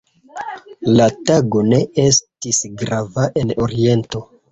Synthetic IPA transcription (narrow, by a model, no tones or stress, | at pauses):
lataɡo̞ne̞e̞stisɡɾavaʔe̞no̞ɾie̞nto̞